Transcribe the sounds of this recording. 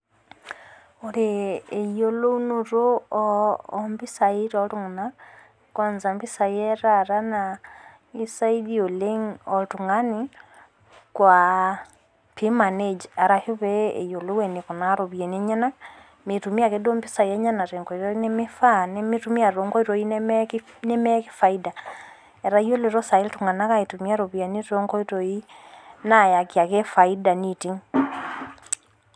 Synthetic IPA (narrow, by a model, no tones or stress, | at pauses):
oɾiejolounuɾo | mbisaiɾaotuŋuna | konzambisajeɾaɾana | isaidioleŋotuŋɡani | kwa | pʰimaned͡ʒaɾahuβeḛjolowɛnikɔnaɾoβjɛneɲɛna | metumiakedombisajɛɲanaɾɛŋɡɔiɾɔinemefanemitumiaɾɔŋɡɔiɾɔink | nemɛki̥faida | ɛɾaioleɾɔsailtuŋanakaetumiaɾoβianiɾɔŋɡɔiɾɔinajakiakɛfaidanitiŋ